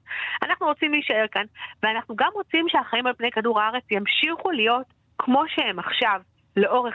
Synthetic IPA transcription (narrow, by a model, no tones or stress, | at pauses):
anaχnuʁot͡simliːʃae̞ʁkanveanaχnuɡamʁo̞t͡simʃeaχaimalpnejkaduʁaaʁe̞t͡sjamʃiχulijo̞t | kʰmo̞ʃehemaχʃav | le̞ʔo̞ʁe